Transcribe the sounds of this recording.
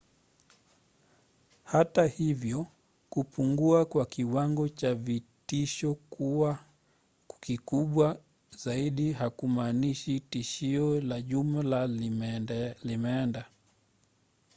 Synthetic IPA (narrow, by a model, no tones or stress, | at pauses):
hatahivjɔ | kupuŋɡuakwakiwaŋɡɔt͡ʃavitiʃɔkuwa | kikuɓwa | zaiɗiɦakumaːniʃitiʃiɔlaʄumla | limɛɛnda